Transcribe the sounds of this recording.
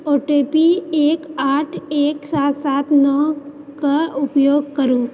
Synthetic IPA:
oːʈepieːkaːʈʰeːksaːt̪saːt̪nɔːkaʊpjoːɡ̚kəɾũː

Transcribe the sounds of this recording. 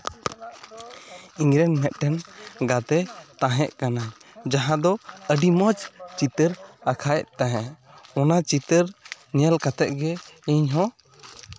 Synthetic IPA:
iŋɾɛnmɛt̪̚ˀʈɛnɡat̪ɛt̪ãɦɛ̃ʔkanajd͡ʒaɦãd̪ɔəɖiməd͡ʒt͡ʃit̪əɾakʰajʔt̪aɦɛ̃ʔ | ɔnat͡ʃit̪əɾnɛjəlkat̪ɛʔ̚ɡɛiɲɦɔ̃

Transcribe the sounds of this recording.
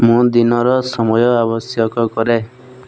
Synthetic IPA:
mũd̪inɔɾɔsɔmɔjɔabɔsjɔkɔkɔɾe

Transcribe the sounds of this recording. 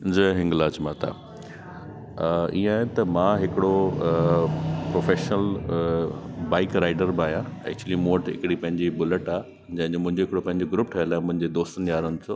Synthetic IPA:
d͡ʑəɦɪ̃ŋɡlaːt͡ɕmat̪ʰa̰ː | ḭ̃ːaːɦt̪ɐmãːɦɪkɪɽo | pɾoːfeːʃnəl | baːɪkɾaːɪɖəɾbaːɦjãɛ̰k̚t͡ɕuəlimoːʈɪ̰kɪɽipɐ̃ɦɪ̃ɲd͡ʑibʊləʈaːe | d͡ʑɐ̃ɦɪ̃ɲd͡ʑomʊ̃ɪ̃ɲd͡ʑoɦɪkɪɽopɐ̃ɦɪ̃ɲd͡ʑoɡɾupʈʰɐjəlaːĩmʊ̃ɦɪ̃ɲd͡ʑed̪oːst̪ənjaːɾənɪ̆t͡ɕʰoː

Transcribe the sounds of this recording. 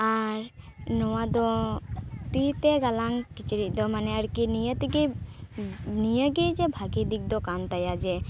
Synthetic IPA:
aɾnɔwad̪ɔ | t̪iɦit̪eɡalaŋkit͡ʃɾid̪ɔmanɛaɾkinijət̪iɡi | nijəɡid͡ʒebʱaɡid̪ik̚d̪ɔkant̪ajad͡ʒɛ

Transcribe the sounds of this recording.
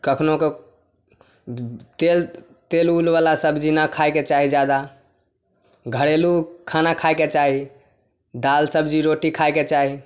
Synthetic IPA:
kəkʰnoke | t̪el | t̪elulβalasəbʱd͡ʒinakʰajket͡ʃaɦid͡ʒjad̪a | ɡʱəɽelukʰanakʰajket͡ʃaɦi | d̪alsəbd͡ʒiɾoʈikʰajket͡ʃaɦi

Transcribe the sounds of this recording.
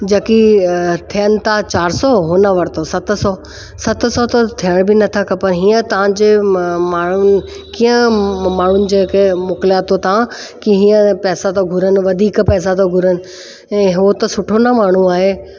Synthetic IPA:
d͡ʑɐkit̪ʰijənɪ̆t̪ʰat͡ɕaːɾsɔɦʊnəʋɐɾt̪ʰosɐt̪̆ʰsɔː | sɐt̪ʰsɔt̪ɐt̪ʰijəɽ̃bɪnɐt̪ʰakɐpɐɾɦiːə̃t̪ɐʋ̤ãd͡ʑeːmaːɳ̤ʊnɪ | kĩːə̃maːɳ̤ʊnɪ̆d͡ʑeːkʰemʊːklijat̪ʰot̪ɐã | kiɦiːə̃pɛːsat̪ʰoɡʱʊɾənɪ̆ʋɐd̪ʱiːkpɛːs̬at̪ʰoɡʱʊɾənɪ̆ | ɛ̃ːɦot̪ɐsʊʈʰonamaːɳ̤ũaːɦeː

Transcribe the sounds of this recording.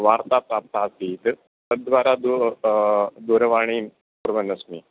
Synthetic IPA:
ʋaɾt̪apɾap̚t̪aːst̪iːt̪ | t̪əd̪ʋaɾad̪u | d̪uɾʋaɽ̃iː | puɾʋənəsmiː

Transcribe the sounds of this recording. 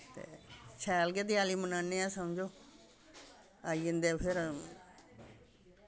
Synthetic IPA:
t̪ḛːt͡ʃʰɛːlɡeːd̪iaːliːmənaːnːeːaːsəmd͡ʒoː | aːiɪ̃nd̪eːpʰɪɾ

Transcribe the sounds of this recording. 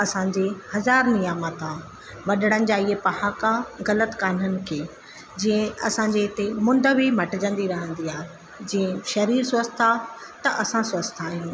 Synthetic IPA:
ɐsãɲd͡ʑehɐzaːɾnijaːmat̪ʰã | ʋɐɗəɽ̃ənɪ̆d͡ʑaːiɦepɐhaːkaɣɐlət̪kaːn̤ənɪ̆kʰeː | d͡ʑĩːə̃ɐsãɲd͡ʑeɦɪt̪emʊ̃nd̪əʋimɐʈɪd͡ʑə̃nd̪iɾɐɦə̃nd̪iaːɦe | d͡ʑĩːə̃ʃɐɾiːɾsəst̪ʰat̪ɐʔɐsãsʋɐst̪ʰaːɦijũː

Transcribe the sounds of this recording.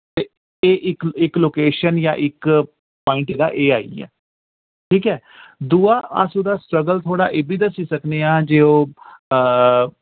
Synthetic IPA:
t̪eː | eːʔɪkɪkloːkeːʃənja̰ːʔɪk | paːɪ̃ɳʈeːd̪a̰ːʔeːaːḭːɛ̰ː | ʈʰiːkɦɛː | d̪uːaːʔa̰suːd̪aːsʈɾəɡəlt̪ʰoːɽa̰ːʔeːbiːd̪əsiːsəkneːaːd͡ʒeːoː

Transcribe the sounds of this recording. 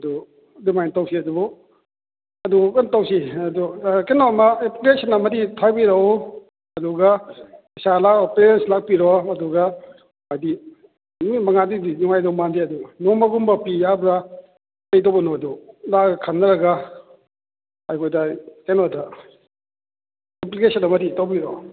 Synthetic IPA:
ɐdu | dumajntawsʰiɐdubɔ | ɐdukantawsiɐdukenɔmaepkesanamɐditʰabiɾaɔ | ɐduɡa | salakɔpeɾenslak̚piɾɔɐduɡa | majdi | mimɐŋadidinuŋajdɔmandeɐdunɔmaɡumbɐpijabɾa | lejdɔbɐnɔɐdulakʰanːɐɾɐɡa | ajkʰɔjdakenɔta | implikesanɐmɐditawbiɾɔ

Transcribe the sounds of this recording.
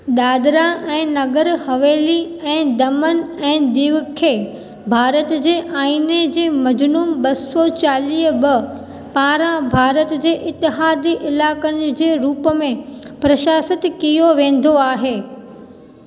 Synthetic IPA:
ɗ̪aːd̪ɾãʔɛ̃ːnɐɡəɾhɐʋeːli | ɛ̃ːd̪ɐmənɛ̃ːd̪iːʋkʰe | bʱaːɾət̪d͡ʑeːʔaːined͡ʑeːmɐd͡ʑnuːmɓɐsɔt͡ɕaːliːɦbɐ | paːɾãbʱaːɾət̪d͡ʑeːʔɪt̪ːɪɦaːd̪iʔɪlaːkənɪ̆d͡ʑeːɾuːpəmẽ | pɾɐʃaːsət̪kijoʋẽːn̆d̪ʱoaːɦeː

